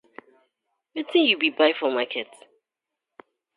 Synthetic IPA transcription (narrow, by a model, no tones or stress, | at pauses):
wɛtʰɪ̃ŋjubibaɪfɔmakʰɛt